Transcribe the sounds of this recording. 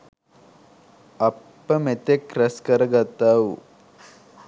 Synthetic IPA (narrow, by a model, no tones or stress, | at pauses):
ɐpːɐmet̪ekɾɐskɐɾɐɡɐt̪ɐw